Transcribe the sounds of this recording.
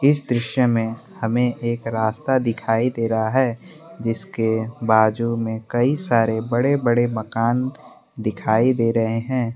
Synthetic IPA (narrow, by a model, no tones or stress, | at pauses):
ɪsd̪ɾɪʃjəmẽ | hɐmẽʔeːkɾaːst̪ad̪ɪkʰaːid̪eːɾəɦaɦɛː | d͡ʒɪskebaːd͡ʒumẽkɐisaːɾebɐɽebəɽemɐkaːn | d̪ɪkʰaːid̪eːɾɐɦeɦɛ̃ː